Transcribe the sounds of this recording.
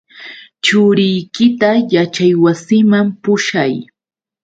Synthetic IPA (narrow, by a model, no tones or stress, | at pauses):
t͡ʃʊɾɪjkɪt̪ajat͡ʃajwasɪmampʊʃaj